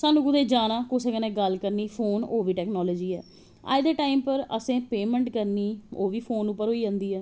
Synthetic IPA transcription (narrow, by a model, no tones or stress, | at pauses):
saːnũːkʊd̪eːd͡ʒaːnãːkoːseɡənɛ̃ːɡəlkəɾniːpʰoːnoːʋiːʈɛːknɔːloːd͡ʒiːɛː | a̰ːɪd̪əʈaːimpəɾə̰sẽːpeːmɛ̃ːɳʈkəɾniːoːʋiːpʰoːnuːpːəɾɦoːiːd͡ʒãːnd̪iːɛː